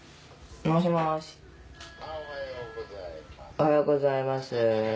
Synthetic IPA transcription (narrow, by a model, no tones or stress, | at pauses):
noɕimaɕi̥ | ohajoɡozaimasɨ